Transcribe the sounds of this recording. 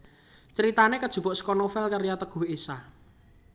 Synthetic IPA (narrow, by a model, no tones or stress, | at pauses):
t͡ʃəɾit̪anekəd̥ʒ̥ṳpɔʔsə̥kɔnofɛlkaɾjat̪əɡ̥ṳɦesa